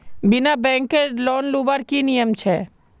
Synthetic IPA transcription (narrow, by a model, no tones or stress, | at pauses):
bɪnabɛ̃ːŋkəɾlɔːnlubəɾkinijəmt͡ʃʰɛː